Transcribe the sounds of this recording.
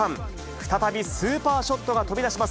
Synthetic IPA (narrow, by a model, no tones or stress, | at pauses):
ãŋ | ɸɯ̥t̪at̪abʲisɨːpaːɕo̞t̪ːo̞ɡat̪o̞bʲid̪aɕimas